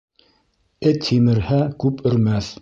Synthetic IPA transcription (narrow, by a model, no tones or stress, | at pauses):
ɘt̪ʰimɘ̆ɾhækʉpɵ̆ɾmæθ